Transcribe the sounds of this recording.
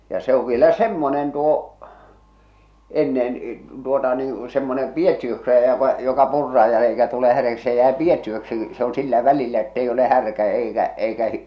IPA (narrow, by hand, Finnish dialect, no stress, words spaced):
jɑ se oʋ ʋielæ semːonen tuo enːen tuotɑ niː semːonem pietːiøksi jæːʋæ jokɑ purːɑːj jɑ eikæ tule hærjæksi se jæe pietːiøksi se on silːæ ʋælilːæ etːei ole hærkæ eikæ eikæ